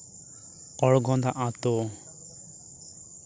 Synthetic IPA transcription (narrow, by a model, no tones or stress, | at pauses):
ɔɽɡɔ̃nd̪aʔãt̪o